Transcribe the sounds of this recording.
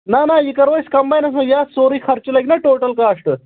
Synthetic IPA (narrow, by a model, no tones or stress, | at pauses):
nanajikəɾʋəjskɐmbajnɐs̬ə̃jasoɾiːkʰɐɾt͡ɕilajknaʈoʈəlkaʂʈə